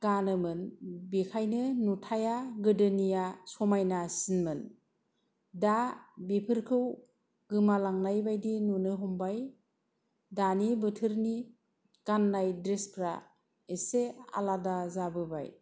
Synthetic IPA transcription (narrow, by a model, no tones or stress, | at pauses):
ɡ̥anɯmɯnbikʰajnɯnutʰajaɡɯdɯnijasɔmajnasinmɯn | dabipʰɯɾkʰɯw | ɡɯmalaŋnajbajdinunɯɦɔmbaj | danibɯtʰɯɾni | kanːajdɾespʰɾa | esea̰ladazabɯba̰j